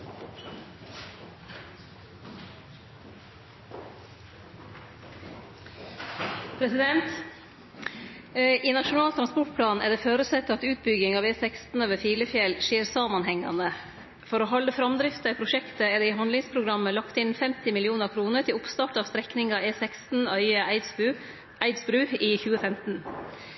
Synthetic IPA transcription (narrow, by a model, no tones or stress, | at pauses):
pʰɾɛsɪd̪ɛnt̪ | ʔiːnɑʃʊnɑːlt̪ʰɾɑnspɔʈ̚pʰlɑːnɛ̰ːɖ̪ɛːføːɾʉsɛt̪ːəɑt̪ʉːt̪̚bʏɡɪŋɑːʋeːsɛkst̪n̩øːʋəfiːləfjɛlʃeːɾsɑːmɑnhɛŋɑ̰nə | fɔɾoːɦɑləfɾɑmd̪ɾɪft̪əɛːpʰɾʊʃɛkt̪əɛːd̪iːhɑnlɪŋspʰɾʊɡɾɑməlɑkt̪ɪnfɛmt̪ɪmɪlɪuːnəɾkʰɾuːnəʈʰɪlʊpst̪ɑːʈɑːʋst̪ɾɛknɪŋɑeːsɛkst̪n̩œʏəɪ | ʔæɪd̪sbɾʉːiːçʉːəfɛmt̪n̩